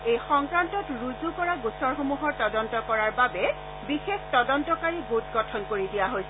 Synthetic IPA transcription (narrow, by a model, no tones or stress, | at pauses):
ejxɔŋkɹantɔtɹuzukɔɹaɡusɔɹxomuɦɔɹtɔdɔntɔkɔɹaɹbabɛ | bixextɔdɔntɔkaɹiɡutɡɔtʰɔnkoɹidijaɦojsɛ